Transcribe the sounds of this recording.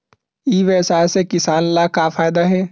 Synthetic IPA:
iːʋeːsaːsekɪsaːnlakafʰaːɪd̪aɦɛː

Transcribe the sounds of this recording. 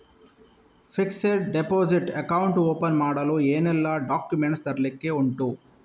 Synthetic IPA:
fʰikseɖɖepoːd͡ʒiʈɐkɐwɳʈoːpɐnmaːɽɐloːeːnɛlːaːɖaːkjumeɳʈst̪ɐɾlikːeːuɳʈu

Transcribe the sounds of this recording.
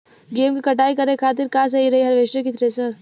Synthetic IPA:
ɡeːmkikɐʈaːikɐɾẽkʰaːt̪̬ɪɾkaːs̬ɐɦiɾɐɦiɦɐɾʋeːʃekɪt̪ʰɾesɐɾ

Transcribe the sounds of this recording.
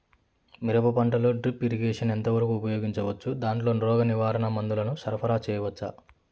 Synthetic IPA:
miɾɐbɐpɐɳʈɐlo̞ːɖɾipːiɾiɡeːʂɐnent̪ɐʋɐɾɐkuːpɐjo̞ːɡiɲt͡ʃɐʋɐt͡ʃːud̪aːɳʈlo̞ːnɾɔːɡɐniʋaːɾɐnɐmɐnd̪ulɐnusɐɾɐpʰɐɾaːt͡ʃɛːjɐʋɐt͡ʃːa̰

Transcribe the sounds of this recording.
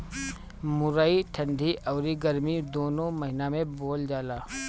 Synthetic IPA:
mʊɾaːiʈʰɐ̃nd̪ʱiʔɐːɾiɡɐɾmid̪oːnõmɐɦɪnamẽboːld͡ʒaːlaː

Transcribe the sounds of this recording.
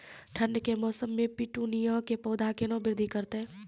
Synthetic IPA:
ʈʰə̃nːkemɔːsəmːẽpiʈuːnijãkepɔːd̪ʱakenɔ̃bɪɾd̪ʱikəɾt̪eɦɛ̃ː

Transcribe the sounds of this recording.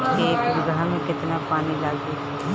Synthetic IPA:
eːkbʊɡamẽkɪt̪napaːnilaːɡd̪it̪ʰː

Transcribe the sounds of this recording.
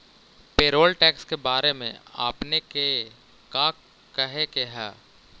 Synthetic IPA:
peːɾoːlʈɛːkskebaːɾemḛ̃a̰ːpneke | kaː | kəɦekeɦɛː

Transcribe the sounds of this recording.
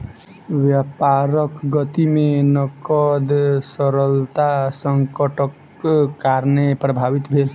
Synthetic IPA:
ʋjapaɾəkɡət̪imenəkəd̪səɾəlt̪asəŋkəʈəkː | aɾnepɾəbʱaʋit̪bʱel

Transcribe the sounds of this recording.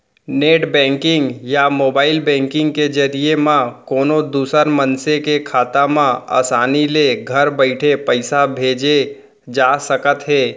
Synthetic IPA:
neːʈbɛ̃ːŋkɪ̃ŋɡjamoːbaːɪlbɛ̃ːŋkɪ̃ŋɡked͡ʒɐɾiemãkoːnod̪uːsəɾmənsekekʰaːt̪amãa̰ːsaːnileɡʱɐɾbəɪʈʰepəɪsabʱeːd͡ʒe | d͡ʒaːsəkət̪ɦɛː

